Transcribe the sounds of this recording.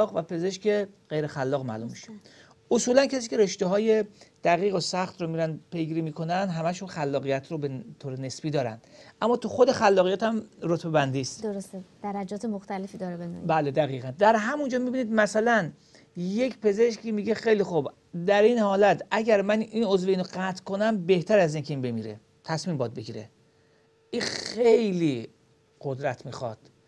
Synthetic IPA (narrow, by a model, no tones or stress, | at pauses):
ɒːɣvæpʰe̞ze̞ʃceɣ̥ejɾexælːɒːɣmæ̰ːlumːiʃe | ʔosuːlæncʰæsiːcʰe̞ɾeʃt̪eɦɒːje̞d̪̥æɣiːɣosæxt̪ɾomiːɾænd̪pʰe̞jɡiːɾimiːkʰo̞nænd̪ɦæmæʃunxælːɒːɣijæt̪ʰɾobet̪ʰoːɾene̞sbiːd̪ɒːɾæ̰nd̪̥ʔæmːɒːt̪ʰuxod̪e̞xælːɒːɣijæːt̪ʰæmɾot̪ʰbe̞bænd̪iːst̪d̪oɾost̪ed̪̥æɾæd͡ʒɒːt̪ʰemoxt̪ælefiːd̪ɒɾebed̪ṵbæːled̪æɣiːɣænd̪æɾɦæmund͡ʒɒːmibiːniːd̪mæsælæn | je̞cʰpʰe̞ze̞ʃkiːmiːɟe̞xejlixub | d̪æɾiːnhɒːlæt̪ʰʔæɟæɾmæniːnozveiːnoɡæt̪ʰkʰo̞næmbe̞ht̪ʰæɾæziːŋkʰeinbemiːɾḛ | t̪ʰæsmiːmbɒːd̪̚be̞ɡiːɾe | ʔixejliː | ɢ̥o̞d̪ɾæt̪ʰmiːxɒ̰d̪̥